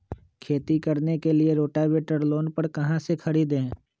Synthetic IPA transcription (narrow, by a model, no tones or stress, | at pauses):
kʰeːt̪ikɐɾnekelieɾoːʈaʋeːʈəɾloːnpɐɾkɐɦãsekʰɐɽid̪ẽː